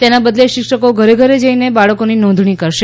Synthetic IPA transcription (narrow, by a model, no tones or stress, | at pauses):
t̪enabəd̪leʃɪkʃəkoɡʱəɾeɡʱəɾed͡ʒəinebaɭəkoninɔ̃nd̪ʱɳ̃ikəɾʃe